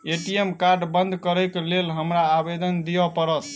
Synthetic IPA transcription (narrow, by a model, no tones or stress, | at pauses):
eʈijemkaɾɖbənd̪ʱkəɾəjklelɦəmɾaːbed̪ənd̪ijəpəɾət̪